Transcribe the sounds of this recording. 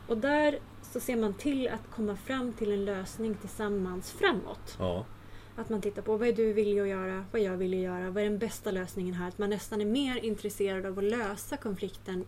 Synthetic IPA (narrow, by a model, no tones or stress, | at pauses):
ɔd̪æɾ | sɔseːɾmant̪ʰɪlːa̰t̪kʰɔmːafɾamːt̪ʰɪlɛnløːsnɪŋt̪ʰɪlsamːansfɾamːɔ̰t̪ | at̪mant̪ʰɪt̪ːaɾpʰɔvaɛɖɵvɪljaɔjœːɾavaɛɾjɑːɡvɪljajœːɾavaɛɖɛnbɛst̪aløːsnɪŋənɦæːɾat̪manːɛst̪anæɾmeːɾɪnt̪ɾɛseːɾad̪avɔløːsakʰɔnflɪkt̪ən